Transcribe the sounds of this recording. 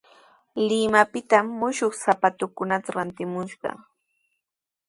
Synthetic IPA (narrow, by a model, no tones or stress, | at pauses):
lɪmapɪt̪amːʊʃoχsapat̪ʊkʊnat̪aɾant̪ɪmʊʃɢɑ̰